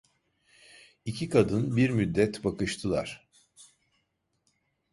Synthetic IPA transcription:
icʰikʰad̪ɯnbiɾmyd̪ːɛt̪bakɯʃt̪ʰɯlˠa̰ɾ̥

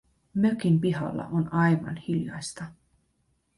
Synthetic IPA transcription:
møkimpiɦɑ̰lːɑ̰ʔonɑjʋɑ̰nhiljɑ̰jst̪ɑ

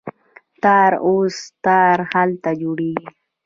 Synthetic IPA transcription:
t̪ɑɾost̪ɑɾhalt̪ad͡ʒoɽeɡi

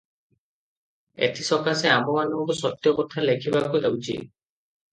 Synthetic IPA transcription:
ḛt̪ʰisɔkaseamɔmanɔŋkɔsɔt̪ːjɔpɔt̪ʰalekʰibakuʔa̰wt͡ʃʰḭ

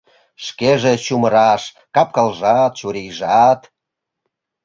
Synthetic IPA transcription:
ʃkeʒet͡ɕuməɾɑʃ | kɑp̚kɑlʒɑt̪ʃuɾejʒɑt̪

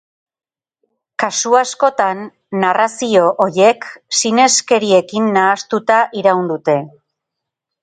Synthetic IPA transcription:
kasuasko̞t̪anː | arasio̞ʔoje̞ksine̞ske̞ɾie̞kinːaːst̪ut̪aʔiɾawnd̪ut̪e̞

